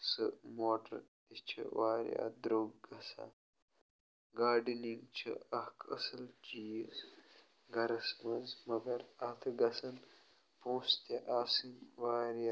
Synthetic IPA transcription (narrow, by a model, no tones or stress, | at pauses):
sɨ̰moːʈɐ̰ɾt̪it͡ʃʰɐ̰waːɾj̰a̰ːd̪ɾoːɡɡɐsã̰ː | ɡaːɖiniŋɡt͡ʃʰɐ̰ɐhkʰɐ̰sɐlt͡ʃiːz | ɡɐɾɐsmɐzmɐɡɐɾaːt̪ʰɐɡɐsɐn | põːst̪eʔaːsinwaːɾja